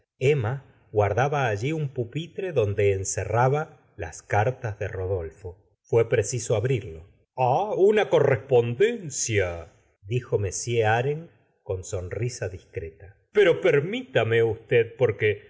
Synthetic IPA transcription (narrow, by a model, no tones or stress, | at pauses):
ema | ɣwaɾðaβaːʒiumpupit̪ɾe̞ðo̞nd̪e̞ːnseraβa | la̰skaɾt̪azðero̞ðo̞lfo̞ | fwe̞pɾesiso̞aβɾiɾlo̞ | aunako̞respo̞nd̪e̞nsja | d̪ixo̞me̞sje̞aɾe̞ŋ | ko̞nso̞nrisaðiskɾe̞t̪a | peɾo̞peɾmit̪ameust̪eðpoɾke